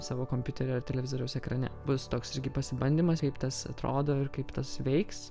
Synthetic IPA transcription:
sɑːʋoːkoːmʲpʲjuːt̪ʲɛɾʲɛɐrt̪ʲɛlʲɛʋʲɪzoːɾʲɛʊsɛkɾɐnʲɛbʊst̪oːksɪɾʲɡʲɪpɐsʲɪbɐnʲd̪ʲiːmɐskɐɪpt̪ɐsɐ̰t̪ɾo̰ːd̪oːɪɾkɐɪpt̪ɐsʋʲɛɪks

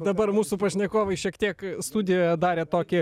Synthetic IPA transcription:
d̪ɐbɐrmuːsupɐʃʲnʲɛkoːʋɐɪʃʲiɛkt̪ʲiɛkst̪uːd̪ʲɪjoːjɛd̪ɑːɾʲeːt̪oːkʲɪ

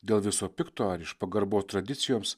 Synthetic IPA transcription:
d̪ʲeːlˠʋʲɪsoːpʲɪkt̪oːɐɾɪʃpɐɡɐɾboːst̪ɾɐd̪ʲɪt̪sʲɪjoːms

